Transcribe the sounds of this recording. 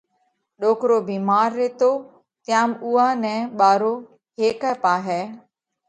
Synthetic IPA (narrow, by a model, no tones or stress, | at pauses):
ɗoːkɾoːbiːmaːɾːeːt̪oː | t̪ɪjãːmuːaːnɛ̃ːɓaːɾoː | ɦeːkəpaːɦɛː